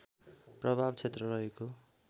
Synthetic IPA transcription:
prʌbʱabt͡sʰet̪rʌrʌɦeko

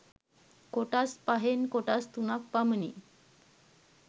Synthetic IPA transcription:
koʈaspaɦenkoʈast̪unak̚pamnḭ

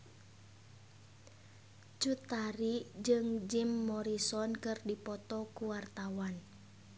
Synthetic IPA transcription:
t͡ʃut̪aɾid͡ʒɨŋd͡ʒimːɔɾisɔnkɨrdipɔt̪ɔkuwart̪awan

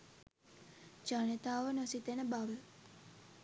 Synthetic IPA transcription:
d͡ʒanet̪aːʋənosit̪enəbaʋə

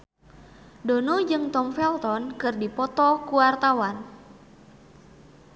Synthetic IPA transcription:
donɔd͡ʒɨŋt̪ɔmfɛlt̪ɔnkɨrdipɔt̪ɔkuwart̪awan

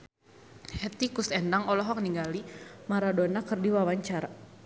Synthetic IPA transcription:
hɛt̪ikusɛndaŋɔlɔɦɔk̚niŋɡalimaɾadonakərdiwawaɲt͡ʃaɾa

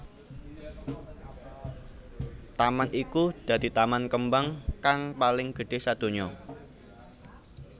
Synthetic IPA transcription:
t̪amanʔikud̪̥ä̤d̪̥i̤t̪amankəmbaŋkaŋpalɪŋɡ̥ə̤ɖ̥e̤sad̪̥o̤ɲɔ

